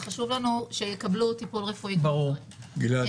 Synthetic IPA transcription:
χaʃuvlanuʃejekablut̪ipulʁefuibɐʁuʁ | ɡila

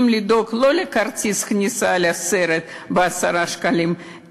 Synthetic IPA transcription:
mlid̪o̞klo̞lekart͡sisknʲisaleaseɾet̪ | beasaɾaʃkalim

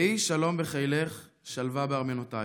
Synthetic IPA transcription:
iʃalo̞mbeχajleχ | ʃalvabeaʁmenota

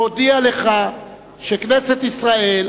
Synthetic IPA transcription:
od̪iale̞χa | ʃekneset̪isʁae̞l

